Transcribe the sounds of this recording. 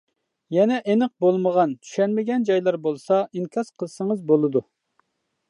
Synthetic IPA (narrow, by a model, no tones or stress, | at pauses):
jɛnɛʔenəq̚bolˠməʁɑnt͡ʃ̪ʰy̥ʃɛnmɪɡʲɛnd͡ʒɑjlˠɑɾbolˠsɑʔiŋkʰʲɑsqʰəlˠsəŋəzbolˠɨd̪u